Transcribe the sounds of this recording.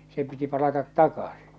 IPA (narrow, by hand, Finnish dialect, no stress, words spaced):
se piti pɑlɑtɑt tɑkɑsi̥